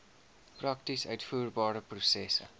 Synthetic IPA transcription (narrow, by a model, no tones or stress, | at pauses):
prɐk̚tisœɥtfuːrbɑːɾəprusɛsə̰